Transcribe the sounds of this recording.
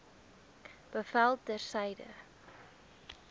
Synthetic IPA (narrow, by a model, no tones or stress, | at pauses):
b̥əfælˠt̚dərsɛjdə̰